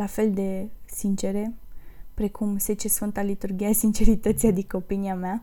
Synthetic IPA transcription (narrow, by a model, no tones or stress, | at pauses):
lafe̞ld̪e̞sint͡ʃe̞ɾe̞pɾe̞kumse̞t͡ʃesfɨnt̪alit̪urɡʲiasint͡ʃe̞ɾit̪ət̪sʲad̪ikəopiniamea